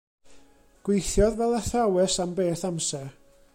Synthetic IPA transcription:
ɡ̥wejθjɔðvɛlˠɛθawɛsambeːθamsɛ

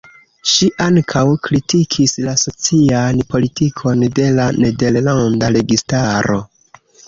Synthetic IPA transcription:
ʃiʔaŋkʰawkɾitʰikʰislaso̞t͡sianpo̞litikʰo̞nde̞lane̞de̞llandaɾe̞ɡistaɾo̞

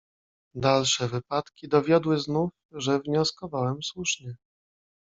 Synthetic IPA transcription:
d̪alʂɛvɘpat̪kʲid̪ɔvʲjɔd̪wɘznuf | ʐɛvɲɔskɔvawɛmswuʂɲɛ

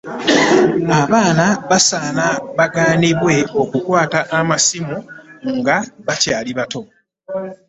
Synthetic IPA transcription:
aβaːnaβasaːnaβaɡaːniβwe̞o̞kukwaːtaʔːmasimuŋɡaβacaːliβato̞

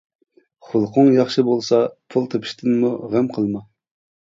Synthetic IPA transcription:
χʊlˠqʰʊŋjɑχʃɨbolˠsɑpʰulˠt̪ʰɨpʰɨ̥ʃt̪ʰɨnmuʁæmqʰəlˠmɑ

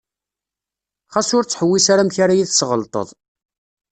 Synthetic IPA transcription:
χæsʊɾt͡sːħəwːisaɾamçaɾajiθsʁəlt̪ˤə̰ðˤ

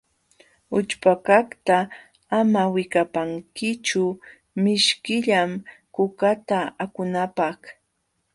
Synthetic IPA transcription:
ʊt͡ʃpakakt̪aː | mawɪkapaŋkɪt͡ʃʊ | mɪʃkɪʎamkʊkat̪aakʊnapɑχ

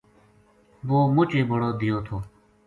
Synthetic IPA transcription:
ʋoːmʊt͡ʃeːbəɽoːd̪ɪjoːt̪ʰoː

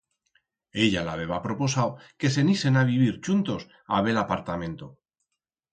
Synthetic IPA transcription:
e̞ʎalaβe̞βapɾo̞po̞sawke̞se̞nise̞naβiβ̞iɾt͡ʃunt̪o̞s | a̰βe̞lapaɾt̪amẽ̞nt̪o

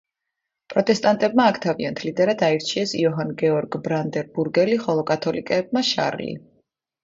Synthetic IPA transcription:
pʼɾɔt̪ʼɛst̪ʼant̪ʼɛbmaːkʰt̪ʰaviant̪ʰlid̪ɛɾat̪ʰaiɾt͡ʃʰiɛsiɔɦanɡɛɔɾɡbɾand̪ɛɾbuɾɡɛliχɔlˠɔkʼat̪ʰɔlikʼɛːb̚maʃa̰ɾlḭ

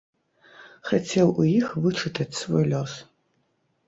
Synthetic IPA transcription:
xat͡sʲɛwujixvɨt͡ʂɨt̪ɐt͡sʲsvɔjlʲɔs

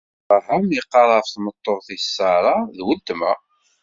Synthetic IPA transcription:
æɦəmiqːɑɾˤɑfθmət̪ˤːoʁθisːɑɾˤɑðwəlt̪mæ

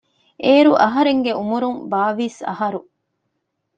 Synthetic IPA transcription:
ʔeːɾuʔɐɦɐɾeŋɡeumuɾumbaːʋiːsɐ̰hɐɾu

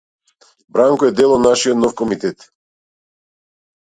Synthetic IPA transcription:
bɾaŋkɔɛd̪ɛlˠɔd̪naʃiɔt̪nɔfkɔmit̪ɛt̪

